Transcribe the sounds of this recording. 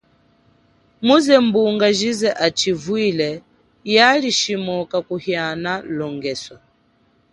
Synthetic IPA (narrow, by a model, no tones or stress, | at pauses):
muzɛmbuŋɡaʒizɛʔat͡ʃivwilɛ | jaliʃimɔkakuhjanalɔŋɡɛswa